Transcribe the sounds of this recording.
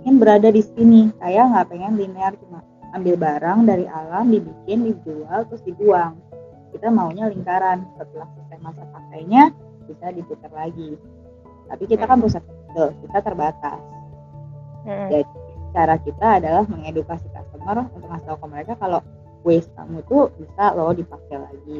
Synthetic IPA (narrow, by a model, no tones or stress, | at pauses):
peŋɛnbəɾadadisinikajaŋɡapeŋɛnlineart͡ʃuŋaː | mbɪlbaɾaŋdaɾiʔalamdibikɪndid͡ʒualt̪ɾʊsdibuaŋ | kit̪amauɲaliŋkaɾansəpət̪ilahsist̪ɛmːasapakajɲa | bisadiput̪ərlaɡi | t̪a̰pikit̪akanpɾusat̪əkit̪at̪ərbat̪a̰s | d͡ʒadit͡ʃaɾakit̪aːdalahməŋedukasika̰st̪əmərunt̪ʊk̚hast̪aukaməɾekakalo | west̪a̰mut̪ubisalodipakajlaɡi